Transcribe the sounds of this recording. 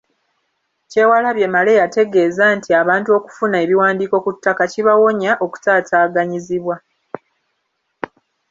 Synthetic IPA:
ce̞ːwalaβje̞male̞jate̞ɡe̞ːzantiaβaːntuo̞ku̥funaeβiwaːndiːko̞kutːakaciβawo̞ɲaʔo̞ku̥taːtaːɡaɲiziβwa

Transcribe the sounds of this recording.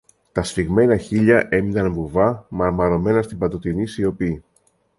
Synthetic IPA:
t̪ɐsɾiɣme̞nɐçiʎɐʔe̞minɐnvuvɐmɐɾmɐɾo̞me̞nɐst̪ibɐt̪o̞t̪inisio̞pi

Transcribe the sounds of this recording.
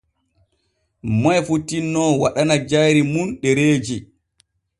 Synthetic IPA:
majfutːinːɔwaɗanad͡ʒajɾimunɗɛɾeːd͡ʒi

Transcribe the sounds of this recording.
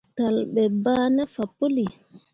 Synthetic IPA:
talɓɛbaːnafapːoli

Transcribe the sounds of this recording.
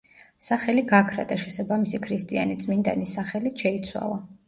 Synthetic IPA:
saχɛliɡakʰɾa̰d̪aʃɛsabamisikʰɾist̪ʼia̰nit̪sʼmind̪a̰nisaχɛliʃɛit̪sʰwa̰lˠa

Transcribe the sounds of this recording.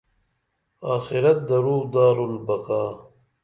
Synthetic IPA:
aːxiɾɐt̪̚d̪ɐɾuːd̪aːɾulbɐqaː

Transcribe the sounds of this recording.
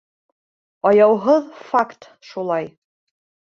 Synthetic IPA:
ɑjɑwɦɤðfakt̪ | ʃulˠɑj

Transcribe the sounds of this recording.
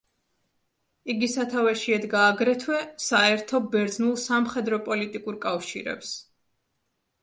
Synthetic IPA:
iɡisat̪ʰavɛʃiɛd̪ɡaːɡɾɛt̪ʰwɛsaɛɾt̪ʰɔbɛɾd̪znulˠsamχɛd̪ɾɔpʼɔlit̪ʼikʼuɾkʼafʃḭɾɛ̰ps

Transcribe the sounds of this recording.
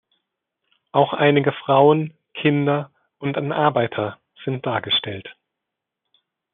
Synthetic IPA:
ʔaʊxʔaɪnɪɡəfʁ̥aʊən | kʰɪndɐ | ʔʊntanʔaɐbaɪtʰɐ | z̥ɪnt̚d̥aːɐɡəʃtɛlt

